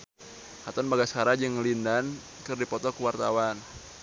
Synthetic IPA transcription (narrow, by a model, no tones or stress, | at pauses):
hat̪ɔnbaɡaskaɾad͡ʒɨŋəlindan | kɨrdipɔt̪ɔkuwart̪a̰wan